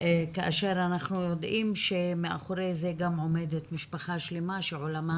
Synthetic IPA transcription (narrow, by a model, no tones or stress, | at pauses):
kaʔaʃeɾanaχnujo̞d̪ʔimʃe̞mea̰χoɾezeɡamʕo̞medet̪miʃpaχaʃlemaʃeʕolama